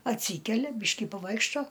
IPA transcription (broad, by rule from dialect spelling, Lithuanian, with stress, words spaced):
ɐtʲˈsʲiːkʲɛlʲɛ ˈbʲiːʃʲkʲɪ pɐˈʋɐɪkʃtoː